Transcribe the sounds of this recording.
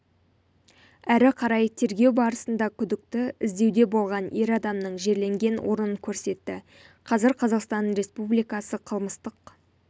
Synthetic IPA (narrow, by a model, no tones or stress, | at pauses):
æɾɪqʰɑɾɑjt̪ʰe̞ɾɡʲe̞wbɑɾəsənd̪ɑkʲʰʏd̪ɪk̚t̪ɪɪzd̪e̞wd̪e̞bo̞lˠʁɑne̞ɾɑd̪ɑmnəɴʒe̞ɾle̞ŋɡʲe̞nwʔo̞̰ɾənəŋkʲʰɵɾse̞t̪ːɪ | qʰɑzɪɾqʰɑzɑqst̪ɑnɾe̞spublijkɑsəqʰəlˠməst̪əq